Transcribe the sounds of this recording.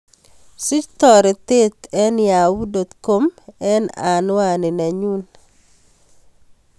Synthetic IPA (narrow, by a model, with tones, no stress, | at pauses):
su˦t͡ʃt̪ɔ˨ɾɛ˨t̪e˦t̪ɛ˦nja˨wu˦do˨t̪ko˦mɛ˦na˨nwa˦nɪ˨na˨ɲu˦n